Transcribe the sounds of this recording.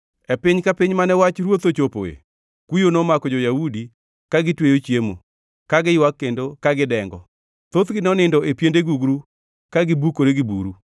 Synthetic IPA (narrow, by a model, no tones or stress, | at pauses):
ɛpɪɲkapɪɲmanɛwat͡ʃɾwot̪ot͡ʃopo̰ḛ | kujonɔmakɔd͡ʒɔjaudi | kaɡɪtwejot͡ʃjemo̰ | kaɡɪjwakːendokaɡɪdɛŋɡɔ | t̪ot̪ɡɪnɔnɪndɔepjendeɡuɡɾu | kaɡɪbukoɾeɡɪbṵɾu